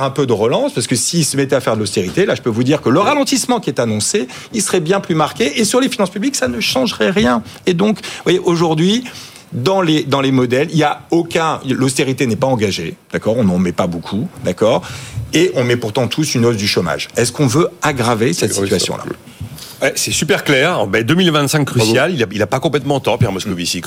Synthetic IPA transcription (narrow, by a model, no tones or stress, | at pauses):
ʁɛ̃pød̪əʁəlɑ̃spaʁsə̥kəsiːlsəmɛt̪ɛafɛʁd̪əlost̪eʁit̪elaʒəpøvud̪iʁkələʁalɑ̃t̪ismɑ̃kʲiɛt̪anɔ̃se | ilsəʁɛbjɛ̃plymaʁkʲeʔːsyʁlefinɑ̃spybliksanəʃɑ̃ʒʁɛʁjɛ̃ed̪ɔ̃kvwajeʔoʒuʁd̪ɥi | d̪ɑ̃led̪ɑ̃lemɔd̪ɛliljaokʲɛ̃lost̪eʁit̪enɛpaɑ̃ɡaʒed̪̥akɔʁɔ̃nɑ̃mɛpabokʰud̪akɔːʁeʔɔ̃mɛpuʁt̪ɑ̃t̪ʰusynozd̪yʃɔma̰ʒɛskɔ̃vøaɡʁavesɛt̪sit̪ɥasjɔ̰̃la̰ | wɛsɛsypɛʁklɛʁbɛd̪əmilvɛ̃nt̪sɛ̃kːχysjalilailapakɔ̃plɛt̪mɑ̃t̪ɑ̃pjɛʁmɔsklovisik